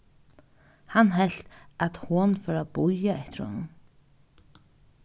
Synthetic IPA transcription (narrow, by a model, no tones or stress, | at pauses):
hanɦɛl̥t̪at̪hʊnfœɾabʊjaɛht̪ɪɾhɔ̰nʊn